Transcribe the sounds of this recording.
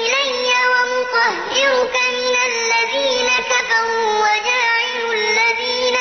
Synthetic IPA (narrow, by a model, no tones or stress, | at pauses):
ʔɪlajːawamʊqahdɪɾʊkamɪnalːaðiːnakafaɾuːwad͡ʒaːʕɪlʊlːaðiːna